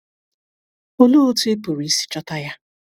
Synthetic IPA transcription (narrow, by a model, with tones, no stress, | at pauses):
o˦lu˦o˦tu˦e˦pʊ˨ɾi˦si̥˦t͡ʃɔ˦ta˦ja˦